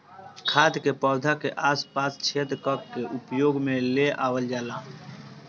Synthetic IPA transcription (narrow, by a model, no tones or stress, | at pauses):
kʰaːd̪kepɔːd̪ʱakeʔaːspaːst͡ʃʰeːt̪ɾkəkkeʔʊpjoːɡmẽleʔaːwəld͡ʒaːlãː